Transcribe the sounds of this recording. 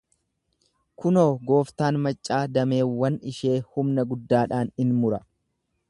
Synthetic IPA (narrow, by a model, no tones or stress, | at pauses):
kʊno̞ːɡo̞ːft̪aːnmɐt͡ʃʼːaːd̪ɐme̞ːwːɐnɪʃe̞ːhʊmnɐɡʊd̪ːaːᶑaːnɪnmʊɾɐ